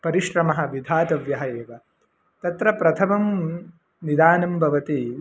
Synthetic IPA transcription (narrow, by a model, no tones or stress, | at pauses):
pɐɾiʃɾɐmɐɦɐ̆ʋid̪ʱaːt̪ɐʋjɐɦɐjeːʋɐ | t̪ɐt̪ɾɐpɾɐt̪ʰɐmɐm | nid̪aːnɐmbʱɐʋɐt̪i